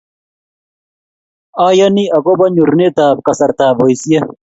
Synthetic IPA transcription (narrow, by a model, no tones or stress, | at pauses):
aːjɐniɐkobɐɲuɾnet̪aːp̚kɐsɐɾt̪aːbojsije